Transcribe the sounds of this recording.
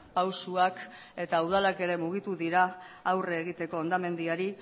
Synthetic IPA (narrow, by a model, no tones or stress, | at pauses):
pawsuak | e̞t̪auð̞alake̞ɾe̞muɣ̞it̪uðiɾaː | wreːɣ̞it̪e̞ko̞and̪ame̞nd̪iaɾi